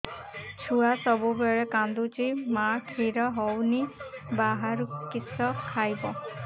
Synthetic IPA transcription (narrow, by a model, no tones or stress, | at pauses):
t͡ʃʰuasɔbubeɭekand̪ut͡ʃimaʈʰiɾɔɦɔwnibaɦaɾukisɔkʰajbɔ